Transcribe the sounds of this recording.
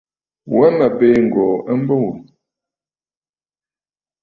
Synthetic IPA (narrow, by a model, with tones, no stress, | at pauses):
wa˦na˨pe˦˨ŋ̩˨ɡɔ˨ə˦m̩˦bə˦wu˨